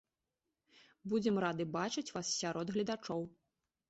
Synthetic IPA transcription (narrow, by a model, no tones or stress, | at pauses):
bud͡zʲɛmɾad̪ɨbat͡ʂɨt͡sʲvasːʲaɾɔd̪ɣlʲɐd̪at͡ʂɔw